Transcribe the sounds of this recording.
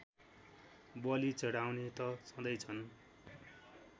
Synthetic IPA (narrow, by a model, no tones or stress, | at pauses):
bʌlit͡sʌɽawnet̪ʌsʌ̃d̪ʌjt͡sʰʌn